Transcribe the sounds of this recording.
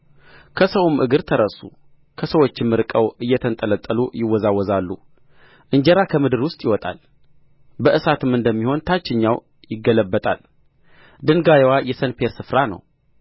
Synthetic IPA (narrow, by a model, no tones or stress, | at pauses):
kʰəsəwumʔɨɡɨɾt̪ʰəɾəsu | kʰəsəwo̞t͡ʃːɪmːɨɾkʼəwɨjːɛt̪ʰənt̪ʼələt̪ʼːəlṵjɪwːɔzawːɔzalːu | ʔɨɲd͡ʒɛɾakʰəmɨd̪ɨɾwʊst̪ʼjɪwɔt̪ʼa̰l | bəʔɨsat̪ʰɨmɨnd̪əmːiho̞nt̪ʰat͡ʃːɪɲːaw | jɪɡːələbːət̪ʼa̰l | d̪ɨnɡajwajɛsənpʰe̞ɾsɨfɾanə̰w